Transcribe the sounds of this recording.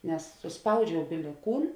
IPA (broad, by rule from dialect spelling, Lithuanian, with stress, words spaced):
nʲɛs sʊsˈpɐʊd͡ʒʲɛʊ bʲɪlʲɪ ˈkuːn